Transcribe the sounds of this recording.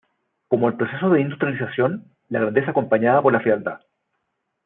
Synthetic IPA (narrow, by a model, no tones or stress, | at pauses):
ko̞moelpɾo̞se̞soðe̞ind̪ust̪ɾjalisasjo̞n | laɣɾand̪e̞s̬aːko̞mpaɲaðapo̞ɾlafɾiald̪a̰